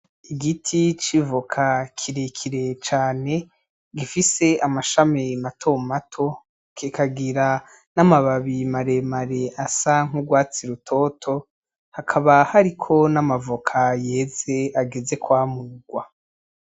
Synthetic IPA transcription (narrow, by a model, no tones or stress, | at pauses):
iɡitʰit͡ʃivokʰakʰiɾekʰiɾe̞t͡ʃaːne̞ | ɡifise̞amaʃamimatʰo̞matʰo̞ | kikʰaɡiɾa | namaβaβimaɾe̞maɾe̞ʔasaŋ̥uɡwaːt͡siɾutʰo̞tʰo̞ | hakʰaβahaɾikʰo̞namavokʰaje̞ːze̞aɡe̞ze̞kwaːmuɡwa